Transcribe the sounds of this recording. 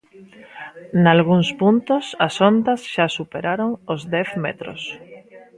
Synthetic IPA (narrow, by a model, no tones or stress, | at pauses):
nalɣuŋspunt̪osasond̪ɐsʃasupeɾaɾoŋozd̪ɛθmḛt̪ɾo̰s